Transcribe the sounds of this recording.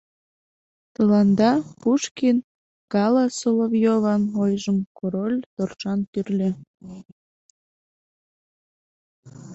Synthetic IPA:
t̪əlɑnd̪ɑpuʃkin | kɑlɑsolovjovɑnojʒəmkoɾolʲt̪orʃɑnt̪yrlʲe

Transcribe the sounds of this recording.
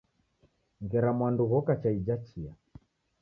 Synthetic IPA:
ŋɡɛɾamwanduɣɔkat͡ʃaid͡ʒat͡ʃia

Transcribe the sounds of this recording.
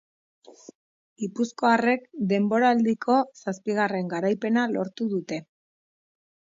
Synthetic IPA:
ɡipusko̞are̞kd̪e̞mbo̞ɾald̪ikʰo̞saspiɣare̞ŋɡaɾajpe̞nalo̞ɾt̪uðut̪e̞

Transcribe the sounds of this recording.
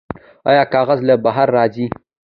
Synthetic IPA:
a̰jaːkaːɣazləbaɦaɾːaːd͡ʒi

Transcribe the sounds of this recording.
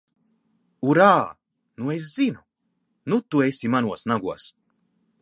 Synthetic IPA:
uɾaː | nues̬z̥inu | nut̪uesʲimanuɔsnaɡuɔs

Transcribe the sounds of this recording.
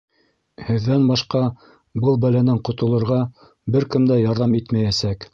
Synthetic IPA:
hɘ̆ðːænbɑʃqɑ | bɤlˠbælænɘɴqŏt̪ŏlˠɤ̆ɾʁɑ | bɘɾkɘ̆md̪æjɑɾðɑmit̪mæjæsæk

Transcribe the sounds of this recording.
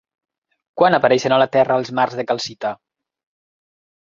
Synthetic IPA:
kwanapaɾɛʃənalat̪ɛrəːlˠzmarzðəkalˠsit̪a

